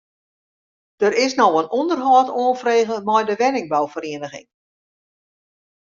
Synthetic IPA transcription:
d̥əɾɪsnɔwənɔndərɦɔːtoːnfreːɣəmɛjdəʋɛnɪŋbɔwfəɾeːənəxɪ̰ŋ

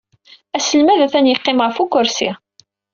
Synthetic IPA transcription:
æsəlmæðæθænjəqːɪmʁəfukʊɾsḭ

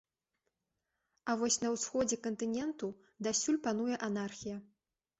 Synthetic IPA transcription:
ɐvɔsʲnɐwsxɔd͡zʲɛkɐnt̪ɨnʲɛnt̪u | d̪asʲulʲpan̪ujɛʔanarxʲijɐ

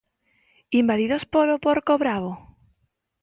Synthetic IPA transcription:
imbaðiðospoɾopoɾkoβɾaβ̞o

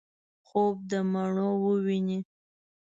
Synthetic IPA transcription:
xob̚d̪əmaɳowəwini

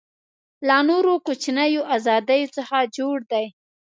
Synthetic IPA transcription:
lanoɾokot͡ʃnajoʔazɑd̪ajot͡səxad͡ʒoɽd̪aj

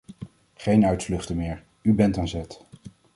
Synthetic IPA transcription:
χejnœɥtflɵχtəmɪːɹ | ybɛntɑnzɛt

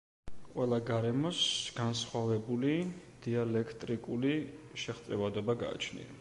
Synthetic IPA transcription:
qʼwɛlˠaɡaɾɛmɔsɡ̥ansχwavɛbulid̪̥ialɛkʰt̪ʼɾikʼuliʃɛχt̪sʼɛvad̪ɔbaɡa̰ːt͡ʃʰnḭa

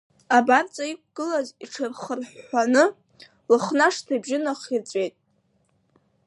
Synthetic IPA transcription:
abart͡sʼaik̚ʷɡ̥ɨlaziʈ͡ʂʰɨrχərħːʷanɨ | lɨχnaʂtʰajbʒɪnaχirt͡sʷʼe̞jtʼ

